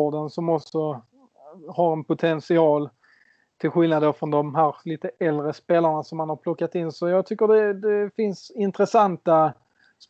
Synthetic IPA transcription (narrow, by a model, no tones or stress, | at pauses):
ɖənsɔmɔksɔ | haɾɛnpʊt̪ʰɛnsɪɑːl | t̪ʰɪlɧɪlnad̪d̪ofɾɔnd̪ɔmɦæːɾliːt̪əʔɛld̪ɾəspeːlaɳasɔmːanhaɾpʰlɔkːat̪ɪnːsɔjɑːɡ̚t̪ʰʏkːəɖɛd̪ɛfɪnsɪnt̪ɾəsant̪a | s